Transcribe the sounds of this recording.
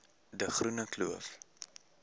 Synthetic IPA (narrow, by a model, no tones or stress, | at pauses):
dəχrunəkluəf